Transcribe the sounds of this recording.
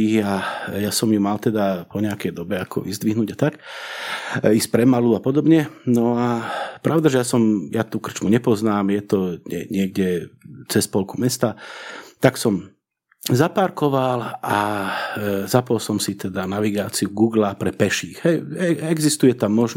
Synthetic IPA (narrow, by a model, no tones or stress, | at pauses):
iɣajasɔmjumalt̪ɛd̪apɔɲɛakɛjd̪ɔbɛakʰɔ̰ʋḭzd̪ʋiɦnuɟat̪ak | iːspɾɛmaluapɔd̪ɔbɲɛnɔapɾʔaʊd̪aʒɛjasɔmjat̪uːkr̩t͡ʃmuɲɛpɔznaːmjɛt̪ɔɲɛ̰ɲɪɛɡɟɛt͡sɛspɔlkumɛst̪at̪aksɔm | zapaɾkɔʋala | zapɔlsɔmsit̪ɛd̪anaʋiɡaːt͡siuɡuːɡlapɾɛpɛʃiːɣɦɛjɛɛɡzist̪ujɛt̪amːɔʒn